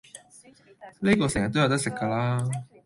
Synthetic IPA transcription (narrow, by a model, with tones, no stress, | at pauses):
ne˥kɔː˧sɛ˨˩ŋjɐt̪̚ːo˥jwt̪ɐ˥ksɪ˨kːɐː˧laː˥